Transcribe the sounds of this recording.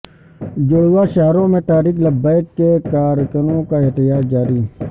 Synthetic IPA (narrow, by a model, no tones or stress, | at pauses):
d͡ʒʊɽuwaʃaɦɾõmẽʈ̪aːɾiːkləbːaːɪkːekaːɾkənõkaɪɦt̪əjaːt̪̚d͡ʒaːɾiː